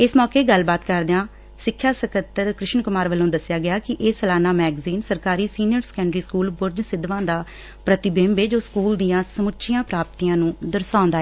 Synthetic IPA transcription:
ɪsmɔːkeːɡəlbaːt̪kəɾd̪eãː | sɪkʰːjaːsəkət̪ːəɾkɾɪʃnkʊmaːɾʋəlːõːd̪əsɪjaːɡɪjaːkɪʔeːsəlaːnaːmɛːɡziːnsəɾkaːɾiːsiːnɪjəɾsə̥kɛ̃ɳɖɾiːskuːlbʊɾd͡ʒsɪd̪ʋãːd̪aː | pɾət̪ɪbẽːmʋeːd͡ʒoːskuːld̪ɪjãːsəmʊtːʃʰɪjãːpɾaːp̚t̪iːãːnũːd̪əɾsãːʊ̃nd̪aːɛː

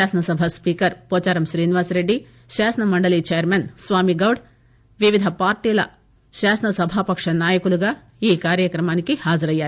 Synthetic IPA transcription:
aːsɐnɐsɐbʱɐspiːkɐɾpoːt͡ʃaːɾɐmʃɾiːniʋaːsɾe̞ɖːi | ʃaːsɐnɐmɐɳɖɐlit͡ʃeːjɐɾmensʋaːmiɡɐwɖ | ʋiʋid̪ʱɐpaːɾʈiːlɐ̰ | ʃaːsɐnɐsɐbʱaːpɐkʂɐnaːjɐkuluɡaː | iːkaːɾjɐkɾɐmaːnikihaːd͡ʒɐɾɐjːaːɾiu

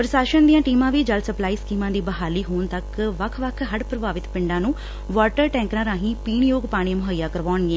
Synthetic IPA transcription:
pɾəʃaːʃənd̪ijãːʈiːmãːʋiːd͡ʒəlsəplaːiːskiːmãːd̪iːbəɦaːliːɦoːnt̪əkʋəkʰʋəkʰɦəɖpɾəbaːʋɪt̪pɪɳɖãːnũː | ʋaːʈəɾʈɛ̃ːŋknãːɾãːɦĩːpiːɳjoːɡpaːɽ̃ẽːmʊɦajːaːkəɾʋaːɳɡeɛ̃ː

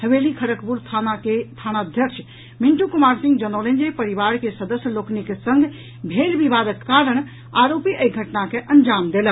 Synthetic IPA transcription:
həʋelikʰəɾəkpuɾt̪ʰanaket̪ʰanaəd̪ʱjəkʃʰ | miɳʈukumaɾsĩŋɡd͡ʒənolẽnd͡ʒepəɾiʋaɾkesəd̪əsjəloknikesə̃ŋɡʱ | bʱelʋibad̪əkːaɾəɽ̃ | aɾopiʔəjɡʱəʈnakeʔənd͡ʒamd̪elək

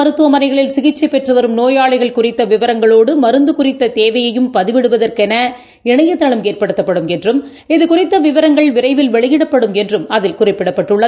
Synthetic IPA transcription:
ɐɾɯt̪ːɯʋɐmɐnɐɪɣɐɭɪlsɪɣɪt͡ʃːɐɪpɛʈrɯʋɐɾɯmnoːjaːɭɐɪɣɐɭkʊrɪt̪ːɐʋɪʋɐɾɐŋɡɐɭoːɽɯmɐɾɯnd̪ɯkʊrɪt̪ːɐt̪eːʋɐjɐjɯmpɐðɪʋɪɽɯʋɐðɐrkɛnɐ | ɪɳɐjɐt̪ːɐɭɐmeːrpɐɽɯt̪ːɐpːɐɽɯmɛndrɯm | ɪðɯkʊrɪt̪ːɐʋɪʋɐɾɐŋɡɐɭʋɪrɐɪʋɪlʋɛɭɐjɪɽɐpːɐɽɯmɛndrɯmɐðɪlkʊrɪpːɪɽɐpːɐʈːɯɭːɐ

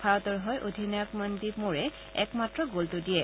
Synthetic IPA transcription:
pʰaɹɔtɔɹɦɔjʔodʱinakmandimoɹɛ | ɛ̰kmatɹɔɡoltodijɛ

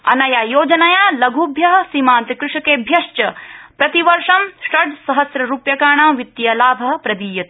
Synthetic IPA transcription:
ɐnɐjaːjoːd͡ʒɐnɐjaːlɐɡʱubʱjɐɦɐsiːmaːnt̪ikɾuʂɐkeːbʱjɐʃt͡ʃɐpɾɐt̪iʋɐɾʂɐmsʈɐɖsɐɦɐsɾɐɾuːpjɐkaːɳamʋit̪ːjɐlaːbʱɐɦɐpɾɐd̪iːjɐt̪

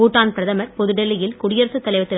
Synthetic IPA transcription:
uːʈːaːnpɪɾɐðɐmɐɾpɔðɯɽɛlːɪjɪlkʊɽɪjɐɾɐsɯt̪ːɐlɐɪʋɐt̪ːɪ

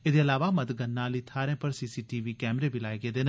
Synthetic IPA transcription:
eːd̪eːəlaːʋaːmət̪ɡənːãːliːt̪ʰaːɾẽːpəɾsiːsiːʈiːʋiːkɛːmɾeːbʱiːlaːeːɡeːd̪eːn

